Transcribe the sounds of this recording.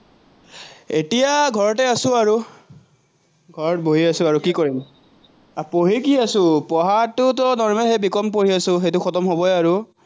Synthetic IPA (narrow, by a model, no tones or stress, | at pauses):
etijaɡʱɔɹɔtɛasʊ̃aɹu | ɡʱɔɹɔt̚boɦiasʊ̃aɹukikoɹim | apoɦikiasʊ̃pɔɦaɹtʊtɔnɔɹmɛxejbikɔmpoɹiasʊ̃xejtʊxɔtɔmɦobɔjaɹu